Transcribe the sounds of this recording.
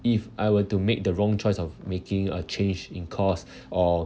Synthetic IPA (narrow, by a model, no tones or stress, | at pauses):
ifʔajwətumek̚dəɹɔ̃ŋt͡ʃʰɔɪsɔfmekĩŋət͡ʃʰẽnd͡ʒĩnkʰɔs | ɔ